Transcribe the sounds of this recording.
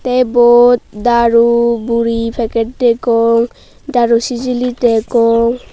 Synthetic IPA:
t̪ejbot̪̚d̪aɾubuɾipʰɛkeʈʈekoŋ | d̪aɾusid͡ʒilitekɔŋ

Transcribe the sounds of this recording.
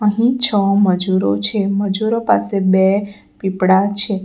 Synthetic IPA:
əɦĩt͡ʃʰəməd͡ʒuɾot͡ʃʰeməd͡ʒuɾopasebe | pipɽat͡ʃʰe

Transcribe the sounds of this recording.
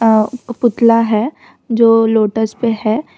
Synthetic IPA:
pʊt̪laɦɛː | d͡ʒoːloːʈəspeɦɛː

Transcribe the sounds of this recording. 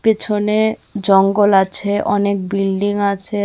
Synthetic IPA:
pet͡ɕʰoned͡ʑɔŋɡolat͡ɕʰeʔɔnek̚bilɖiŋat͡ɕʰe

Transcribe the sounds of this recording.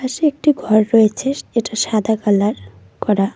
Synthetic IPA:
aʃeek̚ʈiɡʱɔɾːɔet͡ɕʰeʃeʈaʃad̪ʱakalaɾ | kɔɾa

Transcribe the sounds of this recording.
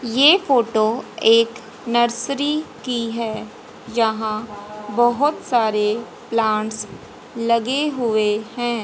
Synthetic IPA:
jeːfoːʈoeːk | nəɾsɾikiɦɛː | d͡ʒɐɦãbɐɦʊt̪saːɾe | plãːɳʈs | lɐɡeɦʊehɛ̃ː

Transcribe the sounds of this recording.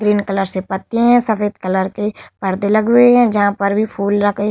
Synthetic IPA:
ɡɾiːnkɐləɾsepɐt̪ːiɦɛ̃sɐfeːd̪kɐləɾkepɐɾd̪elɐɡɦeɦɛ̃d͡ʒɐɦãpɐɾbʱipʰuːlɾɐkʰe

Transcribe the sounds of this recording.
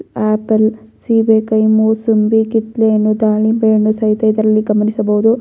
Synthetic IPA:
aːpɐl | sibekɐjmusumbikit̪lenːud̪aːɭibeːɳusɐɦit̪ɐid̪ɐɾɐlːiɡɐmɐnisɐbɐɦud̪u

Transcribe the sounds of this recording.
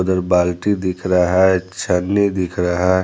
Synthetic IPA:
d̪əɾbaːlʈid̪ɪkʰɾaɦat͡ʃʰənːid̪ɪkʰɾaɦa

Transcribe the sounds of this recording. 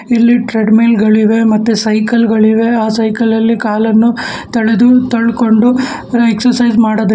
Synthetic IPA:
ilːiʈɾeɖmeːlɡɐɭiʋe̞mɐt̪ːusɐjkɐlɡɐɭiʋe̞aːsɐjkɐlɐlːikaːlɐnːu | t̪ɐɭed̪ut̪ɐɭko̞ɳɖu | ɾeksɐɾsɐjd͡ʒmaːɽod̪

